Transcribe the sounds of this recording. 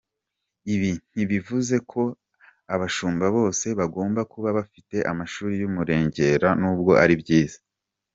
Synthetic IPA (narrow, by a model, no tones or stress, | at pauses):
iβin̥hiβivuze̞kʰo̞ | aβaʃuːmbaβo̞ːse̞βaɡo̞ːmbakuβaβafite̞ʔamaʃuːɾijumuɾe̞ːɲɟe̞ɾanuːb̚ɡo̞ʔaɾibɟiːz̥ḁ